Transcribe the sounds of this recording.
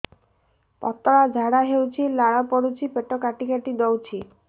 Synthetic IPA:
pɔ̰t̪ɔɽad͡ʒʱaɽaɦewt͡ʃʰilaɽɔpɔɽut͡ʃʰipeʈɔkaʈikaʈid̪ɔwt͡ʃʰi

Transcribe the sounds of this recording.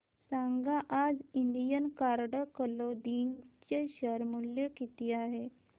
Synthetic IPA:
saŋɡaʔad͡ziɳɖijənkaɾɽəkəlod̪int͡ɕeɕəɾmuljekit̪iːaɦe

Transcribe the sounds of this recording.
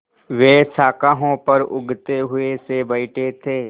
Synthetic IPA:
ʋeːsaːkaːɦõpɐɾʊ̰ɡʱt̪eɦʊesebɐɪʈʰet̪ʰeː

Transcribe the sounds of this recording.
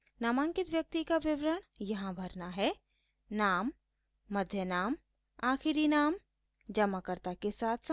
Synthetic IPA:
naːmãŋkɪt̪ʋjɐk̚t̪ikaʋɪʋɾəɽ̃jɐɦãbʱɐɾnaɦɛ | naːmː | ɐd̪ʱjənaːm | aːxɪɾinaːm | d͡ʒɐmakəɾt̪akesaːt̪ʰs

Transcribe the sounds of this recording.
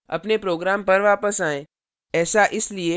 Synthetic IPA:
ɐ̰pnepɾoːɡɾaːmpɐɾʋaːpəsaːẽ | ɛːsaʔɪslie

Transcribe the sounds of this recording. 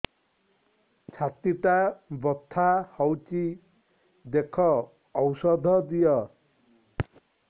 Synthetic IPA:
t͡ʃʰat̪it̪abɔt̪ʰːahɔwt͡ʃi | d̪ekʰɔː | wsɔd̪ʱɔd̪ijɔ

